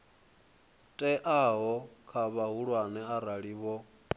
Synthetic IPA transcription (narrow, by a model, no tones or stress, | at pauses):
tʼɛʔaɦɔkʰaβaɦuɺwanɛaɾaɺiːβɔ